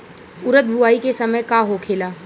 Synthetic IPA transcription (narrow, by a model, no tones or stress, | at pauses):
ʊɾət̪̚bʱʊaːikesɐməjkaɦokʰeːlaː